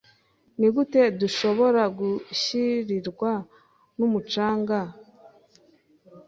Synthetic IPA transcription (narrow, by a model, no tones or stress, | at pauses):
niɡute̞duʃo̞βo̞ɾaɡuɕiɾiɾɡwa | numut͡ʃaːŋɡa